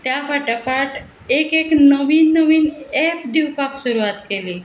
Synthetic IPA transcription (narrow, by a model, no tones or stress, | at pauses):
t̪jafaʈjafaʈ | ekeknəʋiːnːəʋiːnɛpd̪iwpaksuɾuʋat̪keliː